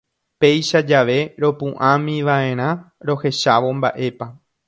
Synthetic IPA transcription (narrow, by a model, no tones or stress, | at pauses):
pe̞jʃad͡ʒaʋe̞ɾo̞pũʔãmĩʋaʔe̞ɾ̃ãɾo̞he̞ʃaʋo̞mba̰ʔe̞pa